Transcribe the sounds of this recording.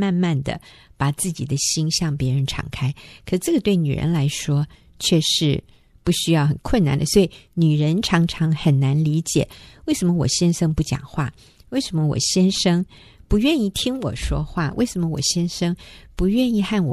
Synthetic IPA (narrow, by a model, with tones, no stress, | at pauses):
ma˥˧nma˥˩nd̪ə̰˨˩ | pa˨˩t͡sɹ̩˥˩t͡ɕi˨˩d̪ə˦ɕi˥ŋɕjɑ˥˩ŋpjɛ˧˥ɻə˧˥nʈ͡ʂʰɑ̰˨˩ŋkʰa˥ɪkʰʂ̩˥˩ʈ͡ʂɤ˥˩ɡə˩t̪we˥˩ɪny̰˨˩ɻə̰˧˥nla˧˥ɪʂwɔ˥ | t͡ɕʰɥɛ˥˧ʂɻ̩˥˧˩ | pu˥˩ɕy˥jɑ˥˩ʊxə˨˩nkʰwə˥˩na̰˧˥nd̪ə˦swɔ˧˥i˨˩ny˨˩ɻə˧˦˥nʈ͡ʂʰɑ˧˥ŋʈ͡ʂʰɑ˧˥ŋxə˨˩nna˧˥nli˧˥t͡ɕjɛ̰˨˩˦we˥˩ɪʂə˧˥mə˧wɔ̰˨˩ɕjɛ˥nʂɤ˥ŋpu˥˩t͡ɕjɑ̰˨˩ŋxwa˥˩ | we˥˩ɪʂə˧˥mə˧wɔ̰˨˩ɕjɛ˥nʂɤ˥ŋ | pu˧˥ɥɛ˥˧ni˥˩t̪ʰi˥ŋwɔ̰˨˩ʂwɔ̰˥xwa˥˩wʔe˥˩ɪʂə˧˥mə˧wɔ̰˨˩ɕjɛ˥nʂɤ˥ŋpu˧˥ɥɛ˥˧ni˥˧xa˥˩nwɔ̰˨˩